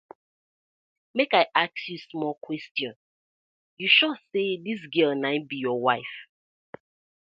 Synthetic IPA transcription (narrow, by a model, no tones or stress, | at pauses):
mekaɪʔaksjusmɔlkwɛstjɔ̃n | juʃɔseðis̬ɡɜlnãɪ̃nbijɔwaɪf